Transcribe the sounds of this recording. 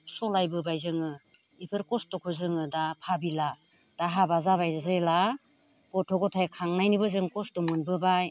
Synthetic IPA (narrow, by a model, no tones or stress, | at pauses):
sɔlajbɯbajzɯŋɯ | ipʰɯɾkɔstɔkʰɔzɯŋɯdapʰabila | d̥aɦabazaβajɾɯzajla | kɔtʰɔɡɔtʰajkʰaŋnajnibɯzɯŋkɔstɔmɯnbɯbaj